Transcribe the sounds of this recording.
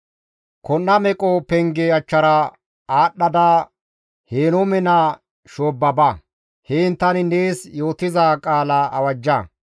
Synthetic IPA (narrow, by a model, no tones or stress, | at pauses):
kɔnːɐmɛkʼɔpɛŋɡɛɐt͡ʃːɐɾɐ | aːɗːɐd̪aː | heːnɔmɛna | ʃoːbːɐbɐ | hɛɪnt̪ːɐnɪneːsjo̞ːt̪ɪzakʼaːlaʔɐwɐd͡ʒːɐ